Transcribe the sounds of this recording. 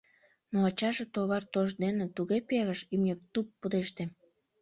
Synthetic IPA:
noɑt͡ɕɑʒet̪oβɑrt̪oʒd̪enet̪uɣepeɣəʃymnʲek̚t̪upːud̪eʃt̪em

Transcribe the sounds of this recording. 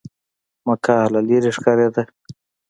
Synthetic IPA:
makʰalaliɾiʂkaɾed̪a

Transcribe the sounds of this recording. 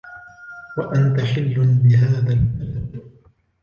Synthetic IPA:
waʔant̪aħɪlːʊnbɪɦaːðalkalab

